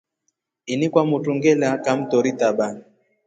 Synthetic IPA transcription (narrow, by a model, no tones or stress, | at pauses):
inikwamutuŋɡɛlakam̩tɔɾitaɓan